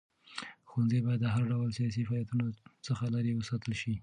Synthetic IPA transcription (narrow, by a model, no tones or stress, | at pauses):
xwanzebɑjad̪ːəɦaɾɖawəlsijɑs̬ifɑjat̪unosəxalaɾiwəsɑt̪əlʃi